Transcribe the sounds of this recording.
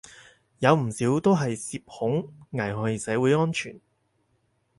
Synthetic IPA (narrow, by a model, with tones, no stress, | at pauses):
jɐ˨˧wm̩˨˩siː˨˥wt̪o˥wɦɐ˨jsiː˧p̚hʊ˨˥ŋŋɐ˨˩jɦɔː˨˧˥jiː˨˧sɛː˨˥wuː˨˧jŋɔː˥nt͡ʃʰy̰ː˨˩n